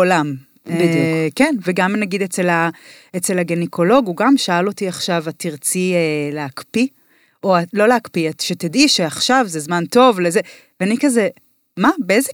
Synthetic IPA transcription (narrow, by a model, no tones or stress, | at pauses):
olam | bidjukkenveɡamnaɡid̪et͡sela | et͡selaɡenikʰo̞lo̞ɡuɡamʃaalo̞tiaχʃavatiʁt͡sieleakpi | oalo̞leakpiatʃetediʃeaχʃavzezmanto̞vleze | veanikaze | mabeeze